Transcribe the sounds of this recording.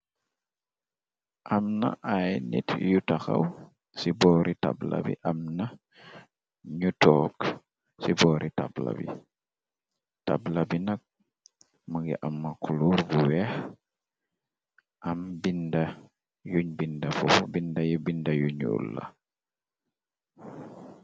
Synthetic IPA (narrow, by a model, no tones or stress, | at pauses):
ʔɐmna̰ʔajnḭtjutaxa̰w | sibɔːɾʔita̰blɐ̰bḭʔɐmnɐ | ɲutɔːk | sibɔːɾʔita̰bla̰bḭ | tablɐbinɐk̚ | məɡiʔɐmːakuluːɾbuwɛx | ʔɐmbindɐ | juɲbindɐfɔfbindɐjibindɐjuɲṵlːɐ̰